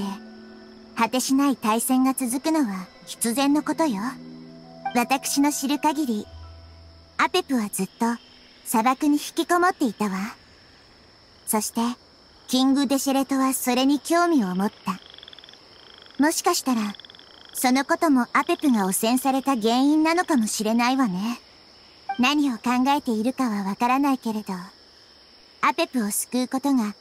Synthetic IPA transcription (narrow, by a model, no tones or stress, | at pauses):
e | hat̪e̞ɕinait̪aisẽ̞ŋɡat͡sɨzɨkɯ̟no̞βa | çi̥t͡sɨzẽnːo̞ko̞t̪o̞jo̞ | βat̪akɯ̥ɕino̞ɕiɾɯ̟kaɡʲiɾʲi | ape̞pɯ̟βad͡zɨt̪ːo̞ | sabakɯ̟ɲ̟içi̥kʲiko̞mo̞t̪ːe̞it̪aβa | so̞ɕi̥t̪e̞ | kʲĩŋɡɯ̟d̪e̞ɕeɾe̞t̪o̞βaso̞ɾe̞ɲ̟ikʲo̞ːmʲio̞mot̪ːa | mo̞ɕi̥kaɕi̥t̪aɾa | so̞no̞ko̞t̪o̞mo̞ʔape̞pɯ̟ɡao̞sẽ̞ɰ̃saɾe̞t̪aɡẽ̞ɰ̃ĩnːano̞kamo̞ɕiɾe̞naiβane̞ | naɲ̟io̞kãŋɡae̞t̪e̞iɾɯ̟kaβaβakaɾanaike̞ɾe̞d̪o̞ | ape̞pɯ̟o̞sɨ̥kɯ̟ːko̞t̪o̞ɡa